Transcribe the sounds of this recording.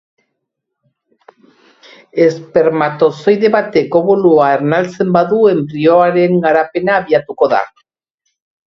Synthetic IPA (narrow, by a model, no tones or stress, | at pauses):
e̞spe̞ɾmat̪o̞so̞jðe̞βat̪e̞ko̞βoluaeɾnalt͡se̞mbaðue̞mbɾio̞aɾe̞ŋɡaɾape̞naːβiat̪uko̞ða̰